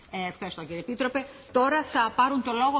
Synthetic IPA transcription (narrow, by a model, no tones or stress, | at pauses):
eefxɐɾist̪o̞ciɾiepit̪ɾo̞pe̞t̪o̞ɾɐθɐpɐɾunt̪o̞lo̞ɣo